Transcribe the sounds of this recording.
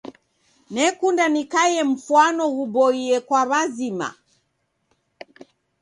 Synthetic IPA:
nɛkundanikajɛm̩fuanɔhubɔiɛkwaβazima̰

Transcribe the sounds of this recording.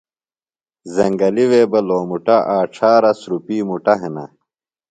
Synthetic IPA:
zɐŋɡɐliweːbɐloːmuʈaʔaːʈ͡ʂʰaːɾɐsɾupiːmuʈɐɦenɐ̰

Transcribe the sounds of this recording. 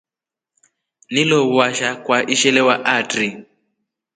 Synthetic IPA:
nilɔβwaʃakwaʔiʃɛlɛwaʔatri

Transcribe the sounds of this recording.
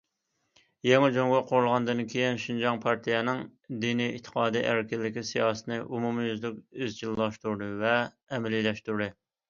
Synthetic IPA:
jɛŋɨd͡ʒoŋɡɑqʰoɾulˠʁɑnd̪ɨnkʲʰejinʃind͡ʒɑŋpʰɑɾt̪ʰijɛnɪŋd̪inijḭt̪ʰːə̥qʰɑːd̪iʔæɾkʲɪlːɪkʲisijɑːsə̥t̪ʰɨnɨʔumumɨøzlykʲøzt͡ʃʰilˠːɑʃt̪uɾd̪ɨvɛ | ɛmɛlijlɛʃt̪uɾd̪ɨ

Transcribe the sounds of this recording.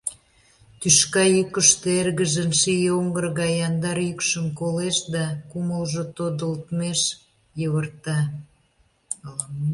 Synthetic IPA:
t̪yʃkɑjykəʃt̪eerɣəʒə̆nʃijoŋɡərɣɑjɑnd̪ɑɾjykʃəmkoleʃd̪ɑkuməlʒot̪od̪əlt̪meʃ | jəβərt̪ɑ

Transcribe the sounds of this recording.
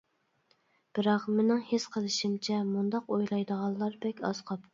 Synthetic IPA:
b̥ɪɾɑqmɪnɪŋhesqʰəlˠɨʃimt͡ʃʰɛmund̪ɑqojlˠɑjd̪əʁɑlˠːɑɾbɛkʲɑ̰sqʰɑp

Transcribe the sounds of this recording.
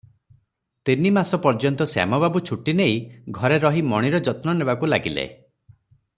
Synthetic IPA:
t̪inimasɔpɔɾd͡ʒɔnt̪ɔsa̰mɔbabut͡ʃʰuʈinejɡʱɔɾeɾɔɦimɔɽ̃iɾɔd͡ʒɔt̪nɔnebakulaɡilḛ

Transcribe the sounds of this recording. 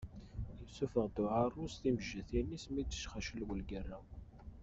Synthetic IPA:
jəsufəʁd̪ʊʕarˤːusθiməʒːəθinːismid̪ə̥ʃχaʃəlwəlɡərːæw

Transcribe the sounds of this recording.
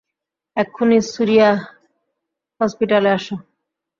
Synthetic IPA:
ɛkʰːunisuɾija | hɔspiʈaleaʃo

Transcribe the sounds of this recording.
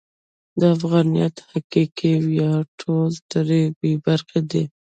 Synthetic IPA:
d̪əafɣɑnijɑt̪hakikewjɑʈʰolt̪əɾebebaɾxed̪e

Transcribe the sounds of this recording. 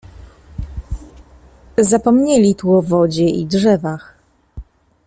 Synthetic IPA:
zapɔmɲɛlʲit̪uɔvɔd͡ʑɛḭdʐɛvax

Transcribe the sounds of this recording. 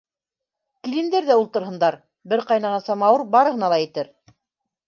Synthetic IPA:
kilɘ̆nd̪æɾðæulˠt̪ɤ̆ɾɦɤ̆nd̪ɑɾ | bɘɾqɑjnɑʁɑnsɑmɑwɤɾbɑɾɤ̆ɦɤ̆nɑlˠɑjĭt̪ɘɾ

